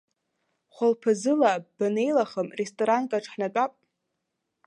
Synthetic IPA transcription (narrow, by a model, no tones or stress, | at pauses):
χʷalpʰɨzɨlab̥ane̞jlaχəmrestʼoɾankʼaʈ͡ʂʰʼħnat͡pʼapʼ